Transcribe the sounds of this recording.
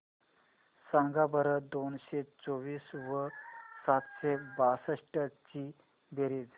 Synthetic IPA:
sãŋɡabəɾəd̪onɕet͡soʋiːsʋəsat̪ɕebasəʂʈət͡ɕiː | beɾiːd͡z

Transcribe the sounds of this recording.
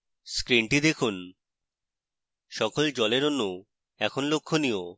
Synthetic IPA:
skɾiɳʈid̪ekʰun | ʃɔkold͡ʑɔleɾonːu | ɛkʰonlokʰːonio

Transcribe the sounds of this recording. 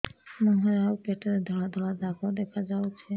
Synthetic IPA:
mɔɦɾawkeʈɔɾed̪ʱɔlad̪ʱɔlad̪akɔɾd̪ɛkʰad͡ʒawt͡ʃʰe

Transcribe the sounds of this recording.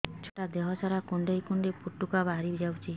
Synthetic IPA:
t͡ʃʰoʈad̪eɦɔt͡ʃʰaɾakuɳɖejkuɳɖepuʈːukabaɾibd͡ʒawt͡ʃʰi

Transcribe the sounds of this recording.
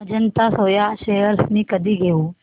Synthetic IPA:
d͡ʒənt̪asoːjaʃejəɾsnĩkəd̪ʱiɡʱeũː

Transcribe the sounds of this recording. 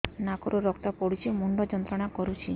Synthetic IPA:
nakɔɾoɾɔkt̪apɔɽut͡ʃʰimuɳɖɔd͡ʒɔnt̪ɾɔɽ̃akɔɾut͡ʃʰi

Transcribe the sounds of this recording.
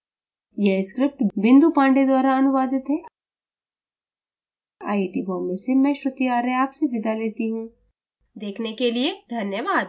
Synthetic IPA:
jeskɾɪp̚ʈbɪ̃nd̪upãːɳɖed̪waːɾaɐnʊʋaːd̪ɪt̪ɦɛː | aːiʈibɔ̃ːmmesemɛ̃ːʃɾʊt̪iaːɾɦeaːpseʋɪd̪aleːt̪iɦũː | d̪eːkʰnekelied̪ʱɐnjəʋaːd̪

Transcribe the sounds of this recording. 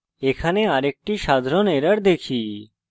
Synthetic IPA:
ekʰaneaɾek̚ʈiʃad̪ʱɾɔneɾəɽd̪ekʰi

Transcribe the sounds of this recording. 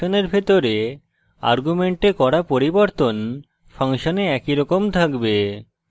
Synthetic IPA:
oneɾbʱet̪oɾe | a̰ɾɡumeɳʈekɔɾapoɾiboɾt̪on | fʰaŋʃoneɛkiɾɔkomt̪ʰakbe

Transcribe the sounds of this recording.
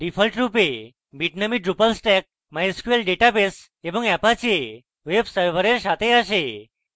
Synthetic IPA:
ɖifʰəlʈɾupe | biʈnamiɖɾupəlsʈɛk̚ | majskujəlɖeʈabes | ebəŋɡɛpat͡ɕe | ʋebsəɾʋəɾeɾʃat̪ʰeəʃe

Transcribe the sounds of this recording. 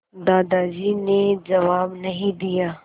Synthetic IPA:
d̪aːd̪ad͡ʒiːned͡ʒɐʋaːbnɐɦĩd̪ijaː

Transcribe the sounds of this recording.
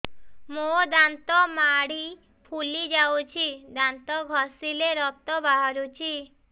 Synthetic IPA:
mod̪ant̪ɔmaɽi | pʰulid͡ʒawt͡ʃʰid̪ant̪ɔɡʱɔsileɾɔp̚t̪ɔbaɦɔɾut͡ʃʰi

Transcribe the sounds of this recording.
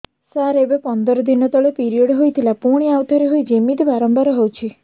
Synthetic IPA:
saɾebepɔnd̪ɔɾɔd̪inɔt̪ɔɭepiɾiɔɖɦojt̪ʰilapuɽ̃iawt̪ɔɾeɦojd͡ʒimit̪ibaɾɔmbʱaɾɔɦowt͡ʃʰi

